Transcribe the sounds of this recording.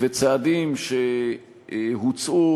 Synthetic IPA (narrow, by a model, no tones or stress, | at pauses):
vet͡saːdimʃe | ɦut͡su